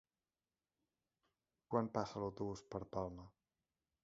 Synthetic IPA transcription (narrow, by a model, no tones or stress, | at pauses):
kwanpasəlawt̪uβuspəɾpalˠmə